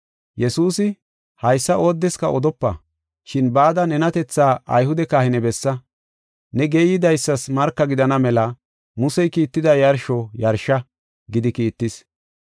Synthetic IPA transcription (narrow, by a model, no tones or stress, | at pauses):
jɛsuːsɪ | hɐjsːɐʔo̞ːd̪ːɛskɐʔɔd̪ɔpːɐ̰ | ʃɪnbaːd̪ɐnɛnɐt̪ɛt͡sːaːʔɐjhʊd̪ɛkaːhɪnɛbɛsːɐ | nɛɡeːjːɪd̪ɐjsːɐsmɐɾkːɐɡɪd̪ɐnɐmɛlɐ | mʊsɛjkiːt̪ːɪd̪ɐjɐɾʃɔjɐɾʃɐ | ɡɪd̪ɪkiːt̪ːɪs